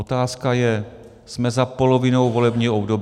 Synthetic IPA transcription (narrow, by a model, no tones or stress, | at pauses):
ot̪aːskajɛ | smɛzapo̞lovɪnowvo̞lɛbɲiːobdob